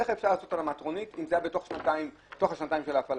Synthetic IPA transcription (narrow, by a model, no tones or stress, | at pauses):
eχefʃaʁlaːso̞talamatʁo̞nitimzejabeto̞χʃnataim | toχaʃnataimʃe̞laːfal